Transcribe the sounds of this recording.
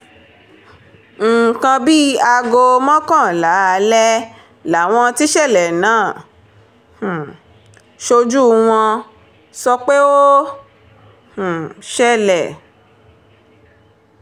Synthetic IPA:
ŋ̩˨kã˧bi˦a˧ɡo˧mɔ̃˦kã˦˨la˨˦a˧lɛ˦ | la˨˦˨w̃ɔ̃˧ti˦ʃɛ˦˨lɛ˨nãː˦˨ | h̩˨ | ʃo˧d͡ʒu˦w̃ɔ̃˧ | sɔ˧k͡pe˦wo˦ | h̩˨ʃɛ˦lɛ˨

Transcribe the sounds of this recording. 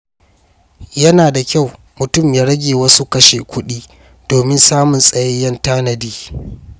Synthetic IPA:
jɐ˦naː˨da˨kʲa˦˨w | mʊ˨tʊ˦˨mjaː˦ɽɐ˦ɡʲeː˨wɐ˦su˦kɐ˦ʃḛ˨kʷʊ˦ɗiː˦ | d̥oː˨mɪ˦nsaː˦mʊ˨nsʼɐ˨ja˦jɐ˦ntaː˦nɐ˨diː˦

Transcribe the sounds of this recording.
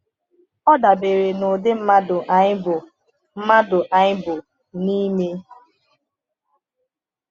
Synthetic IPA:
ɔ˦da˨be˨ɾe˨nʊ˨dɪ˦m̩˦ma˦dʊ˨ʔa˨ɲɪ˦bʊ˨ | m̩˦ma˦dʊ˨ʔa˨ɲɪ˦bʊ˨ | ni˦me˦

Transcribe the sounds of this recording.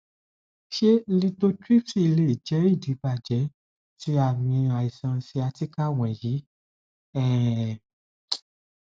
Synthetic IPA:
ʃe˦lĩ˧˦to˦ti˦fi˧le˦˨d͡ʒɛ˨˦i˦˨di˨˦ba˦˨d͡ʒɛ˨˦ | ti˧˦a˦˨mĩ˧a˨i˨sã˧si˧a˧ti˦ka˦w̃ɛ̃˨ji˨˦ | ɛ˦˨

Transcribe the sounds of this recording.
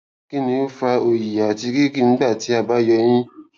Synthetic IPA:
ki˦nĩ˧o˦fa˧o˨ji˨a˨ti˧ɡi˦ki˦nĩ˦ɡ͡ba˦˨ti˨˦a˦˨ba˨˦jɔ˧j̃ĩ˦

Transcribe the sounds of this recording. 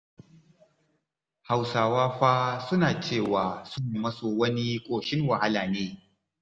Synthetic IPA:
ha˨wsaː˨waː˦ɸaː˦sʊ˦naː˨t͡ʃeː˦˨waː˨sʊ˦ŋ˨mɐ˦soː˨wɐ˦ni˦kʷʼoː˨ʃɪ˦ŋwɐ˨ha˦laː˨neː˦

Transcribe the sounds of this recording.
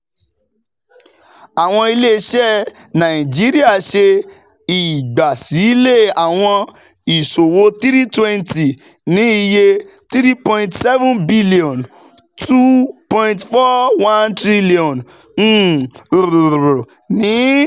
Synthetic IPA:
a˨w̃ɔ̃˧i˧le˦˧ʃɛ˦ | nã˨ĩ˨d͡ʒi˦ɾi˦a˦˨ʃe˧ | i˨ɡ͡ba˨si˨˦le˦˨a˨w̃ɔ̃˧ | i˨so˨wo˧t̪i˦ɾi˦twɛ̃˦nti˨ | nĩ˨˦i˧je˧ | t̪ɾi˦pɔ̃˧ĩ˨ntsɛ˦vũ˦nbi˦li˨ɔ̃˨n | tʰu˦pɔ̃˧ĩntfɔ˦wã˦ntɾi˦li˨ɔ̃˨n̩˦ | u˨ɾɾo˨ | nĩ˨˦

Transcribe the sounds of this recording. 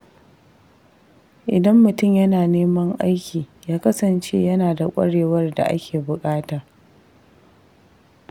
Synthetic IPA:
ʔɪ˨dɐ˦mːʊ˨tʊ˦˨mjɐ˦naː˨neː˦mɐ˦ŋʔa˦jkʲiː˨jaː˦kɐ˦sɐ˨nt͡ʃḛː˦jɐ˦naː˨da˨kʷʼɐ̰˦ɽeː˨wɐ˦rda̰˨ʔa̰˦kʲʰeː˨bʊ˨kʼaː˦taː˨

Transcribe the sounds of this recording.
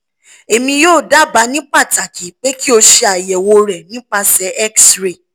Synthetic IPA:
e˨mĩ˧joː˦˨da˨˦ba˨˧˦nĩ˦k͡pa˦˨ta˨kʰi˨˦k͡pe˦ki˦o˧ʃe˧a˨jɛ˨wo˧ɾɛ˨nĩ˨˦k͡pa˧sɛ˨˦ʔɛ˦ksɾe˨

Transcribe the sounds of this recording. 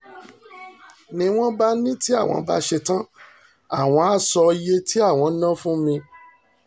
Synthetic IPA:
nĩ˧w̃ɔ̃˦ba˦nĩ˦ti˦a˦˨w̃ɔ̰̃˨˧ba̰˦ʃe˧tã˦ | a˦˨w̃ɔ̃˧a˦sɔ˧je˦tʰi˦a˦˨w̃ɔ̃˨˧˦nã˦fũ˦mĩ˧

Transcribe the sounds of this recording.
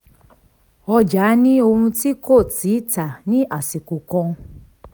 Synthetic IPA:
ɔ˧d͡ʒa˨˦nĩ˦o˧hũ˧ti˦ko˦˨ti˨˦ta˨nĩ˦ʔa˦˨si˨ku˨kɔ̃˧

